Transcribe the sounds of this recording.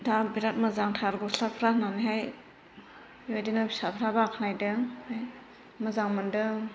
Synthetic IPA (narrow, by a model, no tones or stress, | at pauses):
tʰabiɾat̚mɯzaŋtʰaɾɡɔslapʰɾananiɦaj | jojdinɯbisapʰɾabakʰnajdɯŋhaj | məzaŋməndɯ